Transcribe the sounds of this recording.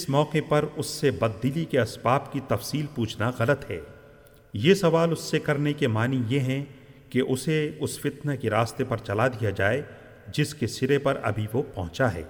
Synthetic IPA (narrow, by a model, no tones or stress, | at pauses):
ɪsmɔːqepɐɾʊsːebɐd̪ːɪlikeɐsbaːpkit̪ɐfsiːlpuːt͡ʃʰnaɣɐlət̪ɦɛ̰ː | jesɐʋaːlʊsːekɐɾnekemaːnijeɦɛ̃ | keʔʊseʊsfɪt̪nakeɾaːst̪epɐɾt͡ʃɐlad̪ijad͡ʒaːe | d͡ʒɪskesɪɾepɐɾɐ̰bʱiʋopɐ̰̃ɦʊ̃t͡ʃaɦɛ̰ː